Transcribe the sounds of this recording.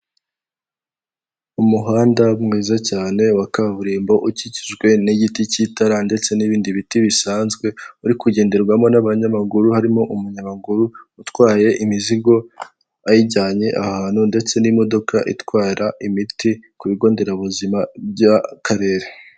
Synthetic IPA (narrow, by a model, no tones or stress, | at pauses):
umuɦaːndamŋiːzacaːne̞wakaβuɾiːmbo̞ʔuciciʒɡwe̞niɟiticitaɾande̞t͡se̞niβiːndiβitiβisaːnzɡwe̞uɾikuɟe̞ːnde̞ɾɡwamo̞naβaɲaβaɡuɾuhaɾimo̞ʔumuɲamaɡuɾuutkwaːje̞ʔimiziɡo̞ | ajiɟaːɲe̞ʔahaːn̥hunde̞t͡se̞nimo̞do̞kʰa̰ʔḭtwaːɾaʔimitikuβiɡo̞ːnde̞ɾaβuzimabjakʰaɾe̞ːɾe